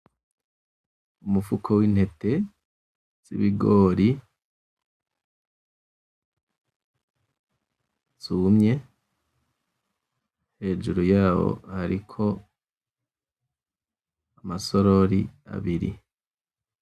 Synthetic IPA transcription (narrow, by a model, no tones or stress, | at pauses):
umufukʰowiːn̥he̞te̞ | z̥ḭβiɡoːɾi | z̥uːmɲe̞ | he̞ːʒuɾujaːwo̞̰haɾikʰo̞ | amasoɾoɾia̰βiɾḭ